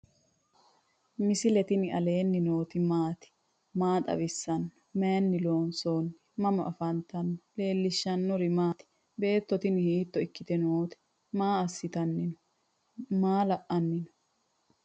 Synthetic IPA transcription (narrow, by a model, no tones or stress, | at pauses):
mɪsɪlɛt̪ɪnɪɐle̞ːnːɪnoːt̪ɪmaːt̪ɪ̥ | maːt̪ʼɐ̰bɪsːɐnːɔ̥mejnːɪloːnso̞ːnːɪmɐmɔʔɐfɐnt̪ɐnːɔle̞ːlːɪʃːɐnːɔɾɪmaːt̪ɪ̥ | be̞ːt̪ːɔt̪ɪnhiːt̪ːɔɪkːɪt̪ɛnoːt̪ɪ̥ | maːɐsːɪt̪ɐnːɪnɔ̥ | maːlɐʔɐnːɪnɔ̥